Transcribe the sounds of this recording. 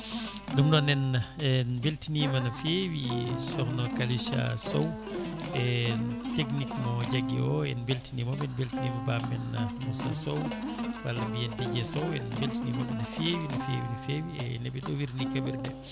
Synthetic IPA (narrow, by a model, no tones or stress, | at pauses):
dumnɔnɛnːanbeltinimanafewisɔhnɔkaliʃa̰sɔw | ɛtek̬nikmɔd͡ʒaɡḭɔjɛnbeltinimɔɓɛnbeltinimɔbambɛnːamusa̰sowwalːambijɛnviɡɛsɔwɛnbeltinimɔɓɛnafewinafewinafewiɛnɛɓɛɗɔwiɾnikabiɾdɛ